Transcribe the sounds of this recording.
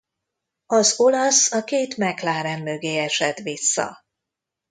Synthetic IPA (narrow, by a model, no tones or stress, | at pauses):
ɒzo̞lɒsɒkeːt̪mɛklaːɾɛmːøɡeːɛʃɛt̪ʋisːɒ̰